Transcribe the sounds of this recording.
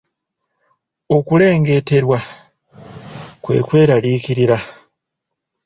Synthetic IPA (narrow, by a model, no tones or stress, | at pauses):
o̞kule̞ːŋɡe̞te̞ɾwa | kwe̞̰ːkwe̞ːɾaliːkiɾiɾa